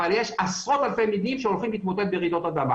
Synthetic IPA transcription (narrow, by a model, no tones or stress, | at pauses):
aljeʃasʁo̞t̪alfejmid̪nimʃeolχimlit̪mot̪ed̪̚bejeʁid̪o̞t̪ad̪ama